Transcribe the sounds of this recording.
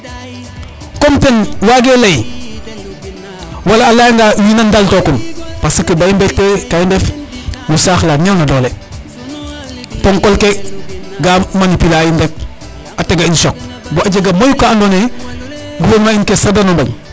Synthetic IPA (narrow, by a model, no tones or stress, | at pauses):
komtenwaɡelaj | walaːlajŋɡawinandaltokumpasikibaimbetːekajindef | musaːxlaɲawnadoːle | poŋkolkeɡammanipilaːjinbek̚ | ateɡainsok̚boaɟeɡamojukaːnone | ɡuwomainkesadanombaɲ